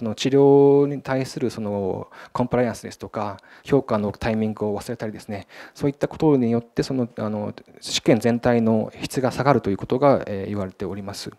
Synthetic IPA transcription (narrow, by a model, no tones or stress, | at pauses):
so̞no̞t͡ɕiɾʲo̞ːɲ̟it̪aisɨɾɯ̟so̞no̞kõ̞mpɯ̟ɾajãɰ̃sɨd̪e̞sɨ̥t̪o̞ka | ço̞ːkano̞t̪aimʲĩŋɡɯ̟o̞βasɨɾe̞t̪aɾʲid̪e̞sɨne̞so̞ːit̪ːako̞t̪o̞ɲ̟ijo̞t̪ːe̞so̞no̞ano̞̥ɕi̥kẽ̞nd͡zẽ̞nt̪aino̞̰çi̥t͡sɨɡasaɡaɾɯ̟t̪o̞jiɯ̟ko̞t̪o̞ɡaeiβaɾe̞t̪e̞o̞ɾʲimasɨ